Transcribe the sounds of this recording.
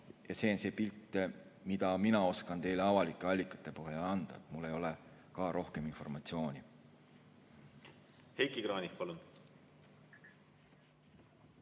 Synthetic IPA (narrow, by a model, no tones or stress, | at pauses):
jɑse̞ːonse̞ːpilt̪ːemid̪ɑminɑo̞skɑnt̪e̞jle̞ɑvɑlikˑːe̞ɑlʲːikːˑɑ̥t̪ːˑe̞pɤɦjeɑnd̪̥ɑ̰et̪ˑmulːe̞jo̞le̞ | kɑːɾʔo̞hke̞minfo̞̰rmɑt̪sio̞ːnʲi | hejkikrɑːnʲikpɑlun